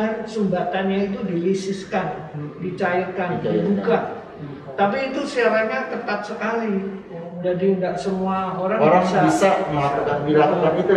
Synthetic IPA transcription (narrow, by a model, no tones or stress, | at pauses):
ansumbat̪anɲait̪̬udilisɪskandit͡ʃaikanid͡ʒuɡa | t̪ap̬iːt̪usiaɾaɲat̪ət̪at̪̚səkali | dd͡ʒadiəndaʔsəmuaoɾaŋbɾaisasamakukanbiakukanit̪u